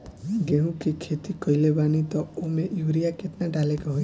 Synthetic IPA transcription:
ɦĩɡeɦũkikʰet̪ikɔilebanit̪ɔomẽʔjuʋɾijakeʈ̪naɖalekɔɦoj

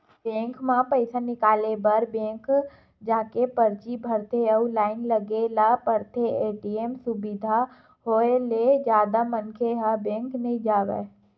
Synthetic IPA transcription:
bẽːŋkʰmãpəɪsanɪkaːlebəɾbẽːk | d͡ʒãːkepəɾt͡ʃibʱəɾt̪ʰeəulaːɪnləɡelapəɾt̪ʰeeːʈiemsʊbɪd̪ʱa | ɦoːeled͡ʒjaːd̪amənkʰeɦabẽːŋknɐɦĩd͡ʒaːʋḛː

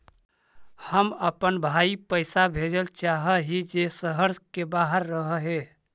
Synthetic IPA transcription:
həməpənbʱaipəɪsabʱed͡ʒəlt͡ʃaɦəɦid͡ʒesəɦəɾskebaɦəɾːəɦəɦe

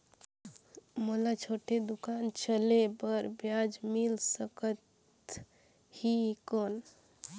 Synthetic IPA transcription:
molat͡ʃʰoʈʰed̪ukant͡ʃəlebəɾbjad͡ʒmilsəkət̪ | hikon

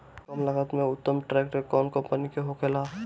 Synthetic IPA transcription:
kəmləɡət̪mẽʊt̪ːəmʈɾɛːkʈekɔmkə̃mpənikeɦokelaː

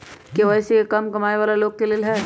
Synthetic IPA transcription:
keʋɐjsejekɐmkɐmaːeʋaːlaloːɡ̚keleːlɦɛː

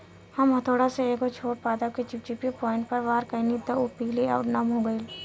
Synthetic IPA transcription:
hɐmɦɐt̪ʰoːɽaseeːkot͡ʃʰoːʈ̚paːd̪aket͡ʃɪp̚t͡ʃɪpjopɔːɪ̃ɳʈ̚pɐɾʋaːɾkəinid̪ɐʊpiːlia̰ʊʈnamɦoɡəiːl

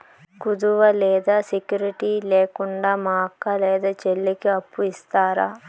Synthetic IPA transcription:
kud̪uʋɐlɛːd̪aːsikjuːɾiʈiːleːkuɳɖaːmaːkːɐlɛːd̪aːt͡ʃelːikiɐpːuist̪aːɾaː

